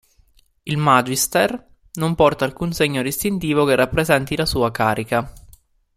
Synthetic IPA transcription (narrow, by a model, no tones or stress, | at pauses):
ilmad͡ʒist̪er | nompɔrt̪aːlkunseɲːod̪ist̪int̪iːvokerʔapːɾezɛnt̪ilasuːakaːɾʔika